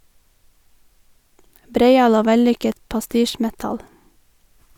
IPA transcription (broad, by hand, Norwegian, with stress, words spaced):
ˈbɾeɪˌɑːl ˈoː ˈʋɛˌlʏkət pɑˈstiːˌʃmɛtɑl